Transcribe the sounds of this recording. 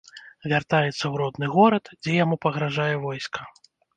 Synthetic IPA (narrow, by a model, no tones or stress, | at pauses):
vʲart̪ajɛt̪sːɐwɾɔd̪nɨɣɔɾɐt̪d͡zʲɛjamupɐɣɾaʐajɛvɔjskʰɐ̥